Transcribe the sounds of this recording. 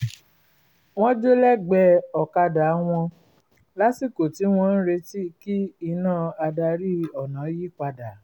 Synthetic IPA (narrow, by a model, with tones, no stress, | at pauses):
w̃ɔ̃˦d͡ʒo˦lɛ˦˨ɡ͡bɛ˧˦ɔ˨ka˧da˨˦w̃ɔ̃˧ | la˨˦si˦˨ko˨ti˨˦w̃ɔ̃˧n̩˦ɾe˧ti˦ki˦i˧nãː˦˨a˧da˧ɾi˦ɔ˨nã˨˦ji˦˨k͡pa˧da˨